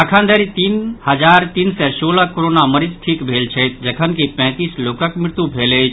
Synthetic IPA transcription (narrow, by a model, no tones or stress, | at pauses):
əkʰãnd̪əɾit̪iːnhəd͡ʒaɾt̪iːnsɛsoləkoɾonaməɾid͡ʒʈʰikbʱelt͡ʃʰəjt̪d͡ʒəkʰənkipɛ̃ːt̪islokəkmɪɾt̪ubʱelet͡ʃʰ